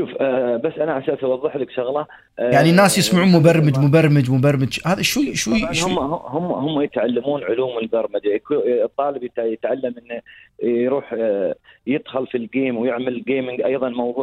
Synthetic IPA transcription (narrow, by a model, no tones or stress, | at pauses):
ʃuːfbasːʔanaʕasaːsawɑðˤːɨħlɪkʃʊɣlɑ | jaʕninːaːsjɪsmaʕuːnmʊbɑɾˤmɪd͡ʒmʊbɑɾˤmɪd͡ʒmʊbɑɾˤmɪd͡ʒhaːðaʃwuʃwihʊmːʊhʊmːhʊmːjɪt̪ʕalːamuːnʕʊluːmɪlbɑɾˤmad͡ʒakt̪ˤːɑːlɪbjɪt̪jɪt̪ʕalːamʔɪnːjɾuːħ | jɪd̪xɑlfilɡeːmwjɪʕmalɪlɡeːmɪŋɡʔɑjðˤɑnmɑwðˤuːʕ